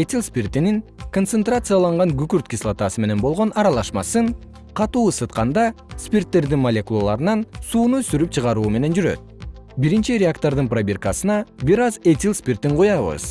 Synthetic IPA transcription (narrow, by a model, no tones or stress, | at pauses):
etʲilˠspʲirt̪iniŋko̞nt̪sent̪rat̪sɨjɑlˠɑɴʁɑŋɡykyɾt̪̚kʲislˠat̪ɑsɯme̞ne̞nbo̞lˠʁo̞nɑɾɑlˠɑʃmɑ̰sɯɴ | qʰɑt̪uːsɯt̪̚qɑnd̪ɑspʲirt̪ːe̞ɾd̪inmɐlʲe̞kulˠalˠɑɾɯnɑnsuːnusyɾyp̚t͡ʃʰɯʁɑɾuːme̞ne̞nd͡ʒyɾø̰t̪̚biɾint͡ʃiɾʲɪakt̪o̞ɾd̪ɯnprobʲerkɑsɯnɑbiɾɑzet̪ʲilspʲirt̪iɴqʰujɑβɯ̰z